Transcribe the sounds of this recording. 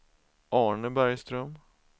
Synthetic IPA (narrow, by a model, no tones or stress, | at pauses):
ʔɑːɳəbæɾjst̪ɾœm